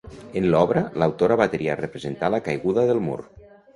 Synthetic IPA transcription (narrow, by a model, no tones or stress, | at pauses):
enlɔβɾəlawt̪oɾaβat̪eɾia̰rəpɾəzent̪alakajɣuðəðəlˠmṵɾ